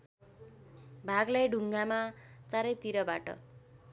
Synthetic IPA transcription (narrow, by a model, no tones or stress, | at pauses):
bʱaɡlajɖʱuŋɡamat͡saɾʌjt̪iɾʌba̰ʈʌ̰